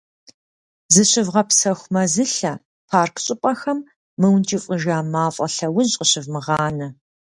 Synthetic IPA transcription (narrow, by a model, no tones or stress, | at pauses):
zɨɕɪvʁɐpsɐxʷmɐzɨɬɐ | pʰaːrkʰɕʼɪpʼɐxɐmː | ɨwntʰiːfʼəʒaːmaːfʼɐɬɐwʊzʼqʼəɕɪvmɨʁɑːnɐ